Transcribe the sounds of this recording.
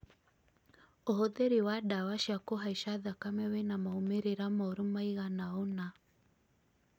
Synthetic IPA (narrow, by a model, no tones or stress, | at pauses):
ohoðeɾewadawaʃiakoɦaiʃaðakamewenamaomeɾeɾamɔɾomaiɣanaona